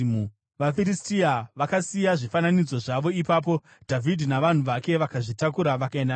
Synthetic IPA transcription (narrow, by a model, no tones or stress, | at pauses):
ʋafiɾistiaʋakasijaʐifananid͡zo̞ʐaʋo̞ipaːp̬o̞ | dʱavidʱinaʋan̤uʋake̞ʋakaʐitakuɾaʋakaenda